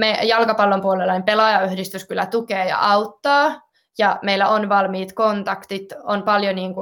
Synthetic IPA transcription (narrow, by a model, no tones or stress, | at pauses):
mejɑlkɑpɑlːompuolelːɑnempelɑjɑyhdist̪yskylæt̪ukeːjɑ̰ʔɑut̪ːɑː | jɑmeilːæonʋɑlmiːt̪kont̪ɑkt̪it̪onpɑljoniːŋku